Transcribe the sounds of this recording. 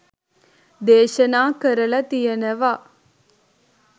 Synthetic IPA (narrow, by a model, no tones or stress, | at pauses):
d̪eːʃənaːkəɾəlɐt̪ijənəʋa